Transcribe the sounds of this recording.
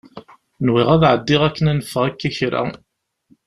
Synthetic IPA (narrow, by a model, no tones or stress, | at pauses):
nwɪʁæðʕəd̪ːɪʁækːənænəfːəʁækːæçɾa̰